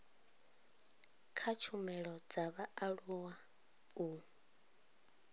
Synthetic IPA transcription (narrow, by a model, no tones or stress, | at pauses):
kʰat͡ʃʰumɛɺɔd͡zaβaaɺuwa | u